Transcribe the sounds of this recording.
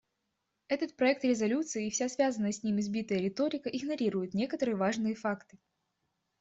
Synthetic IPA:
ɛt̪ət̪̚pɾɐɛk̚t̪ɾʲɪzɐlʲut̪sɨɪːfsʲasvʲazənːəsʲsʲnʲimɨɪzʲbʲit̪əjəɾʲɪt̪o̞ɾʲɪkəʔɪɡnɐɾʲiɾʊjɪt̪nʲe̞kət̪əɾɨjəvaʐnɨjəfakt̪ɨ̥

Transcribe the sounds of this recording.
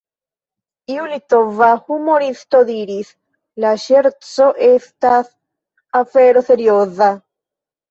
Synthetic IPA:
iulit̪ovahumoɾist̪oðiɾis | laʃeɾt͡soʔest̪as | afeɾoseɾjoða

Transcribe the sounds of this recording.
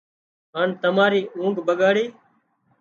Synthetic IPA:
ɦaːnt̪əmaːɾiːʔũːŋɡbəɠaːɽiː

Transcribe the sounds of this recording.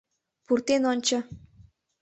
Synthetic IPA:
purt̪enonʲt͡ɕə̆

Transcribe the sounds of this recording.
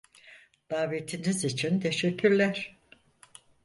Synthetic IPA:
d̪̥aːvet̪ʰinizit͡ʃʰint̪ʰe̞ʃɛcʰːyɾlʲæɾ̥

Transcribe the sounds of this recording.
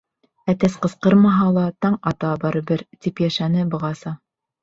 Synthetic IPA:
æt̪æsqɤ̆sqɤɾmɑɦɑlˠɑt̪ɑɴɑt̪ɑbɑɾɤ̆bɘɾt̪ipjæʃænɘbɤ̆ʁɑsɑ

